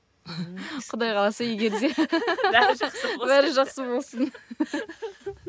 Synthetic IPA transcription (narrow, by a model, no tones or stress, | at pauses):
qʰʊd̪ɑjqʰɑlˠɑsɑijɡʲe̞ɾd̪e̞ | bæɾɪʒɑqsəbo̞lˠsən